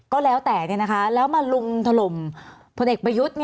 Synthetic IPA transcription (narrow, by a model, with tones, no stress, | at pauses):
kɔː˥˩lɛː˦˥wt̪ɛː˨˩ni˥˩na˦kʰa˦˥lɛː˦˥wmaː˧lu˧ŋt̪ʰa˧lo˨˩m | pʰo˧nʔeː˨˩kpɾa˧ju˦˥t̪̚ni˥